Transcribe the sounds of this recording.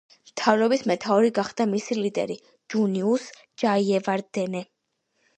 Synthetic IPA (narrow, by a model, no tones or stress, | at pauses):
mt̪ʰavɾɔbismɛt̪ʰaɔɾiɡaχd̪amisilid̪ɛ̰ɾi | d͡ʒunius | d͡ʒaiɛvaɾd̪̥ɛnɛ